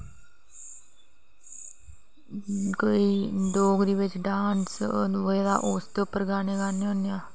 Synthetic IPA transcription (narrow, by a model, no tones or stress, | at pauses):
koiːd̪oːɡɾiːʋɪt͡ʃɖaːnsʋəeːd̪a̰ːʔoːst̪əpəɾɡaːneːɡaːneɦõnjaː